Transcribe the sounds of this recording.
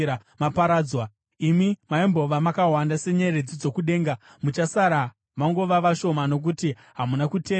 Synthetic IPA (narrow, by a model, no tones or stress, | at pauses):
a | mapaɾaːd͡zwa | imimaimbo̞ʋamakaɦwandase̞ɲe̞red͡zid͡zo̞kuɗe̞ːŋɡa | mut͡ʃasaɾa | maŋɡo̞ʋaʋaʃo̞mano̞k̬uti | ɦamunakuteː